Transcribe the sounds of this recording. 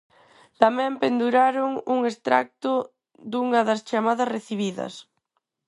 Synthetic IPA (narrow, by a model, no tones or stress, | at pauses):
t̪amɛ̃mpend̪uɾaɾʊŋuŋest̪ɾa̰k̚t̪ʊ | d̪uŋɐðɐst͡ʃamaðɐsreθiβ̞iðɐ̰s